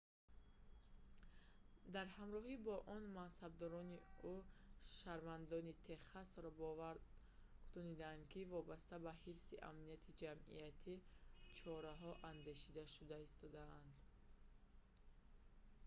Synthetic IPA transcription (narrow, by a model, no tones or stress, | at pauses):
d̪aɾhamɾɔɦibɔʔɔnmansab̚d̪ɔɾɔniuʃaɾvand̪ɔnit̪ʰe̞χasɾɔbɔvaɾ | kʰu̥t̪unid̪aːnd̪kʰivɔbast̪abahifsiʔa̰mniat̪ʰid͡ʒamḭat̪ʰit͡ʃʰɔɾaɦɔʔand̪e̞ʃid̪aʃud̪aist̪ɔd̪aːnd̪